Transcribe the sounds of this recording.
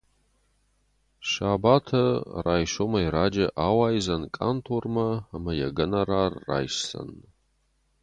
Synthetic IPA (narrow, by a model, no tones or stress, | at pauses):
ʃaːbaːtʰɐraːjʃomɐiɾaːd͡ʒɐʔaːwaːjzɐnkʼa̰ntʰormɐamɐjɐɡɐnɐɾaːrːa̰ːjsɬɐ̰nː